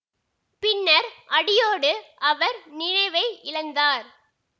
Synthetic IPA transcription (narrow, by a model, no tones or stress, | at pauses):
pɪnːɐɾʔɐɽɪjoːɽɯʔɐʋɐɾnɪnɐɪʋɐɪʔɪɻɐnd̪aːɾ